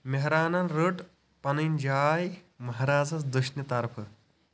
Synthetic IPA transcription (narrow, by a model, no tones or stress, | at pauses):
meɦɾaːnɐnɾəʈ | pɐnɐnd͡ʒaːj | mɐɦɾaːd͡zɐt͡sd̪ɐʃnɐt̪ɐɾpʰɐ